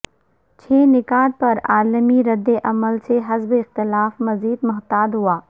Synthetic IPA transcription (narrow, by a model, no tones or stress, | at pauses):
t͡ʃʰeːnɪkaːd̪̚pɐɾaːləmiɾɐd̪ːeʔɐməlseɦɐzbɪxt̪ɪlaːfmɐziːd̪mʊɦt̪aːd̪ɦuaː